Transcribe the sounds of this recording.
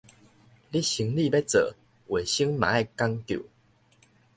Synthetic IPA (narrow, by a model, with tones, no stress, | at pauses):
li˦ɕi˨˦ŋli˥˧be˦t͡sə̰˨˩ | we˨˩ɕi˦ŋma̰˨˦a˥˧˨ka˦ŋt̪jṵ˨˩˨